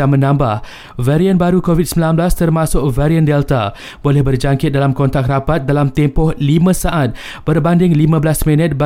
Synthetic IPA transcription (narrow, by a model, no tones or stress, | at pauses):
amə̃nãmbah | vɛɾiənbaɾukovit̪̚səmbilanblast̪ərmãsʊk̚vɛɾiəndɛlt̪a | bolɛhbərd͡ʒaŋkɪt̪̚dalamkɔnt̪ak̚rapat̪̚dalamt̪ɛmpɔhlimãsaʔat̪̚ | bərbandɪŋlimãbəlasmɛ̃nət̪̚ba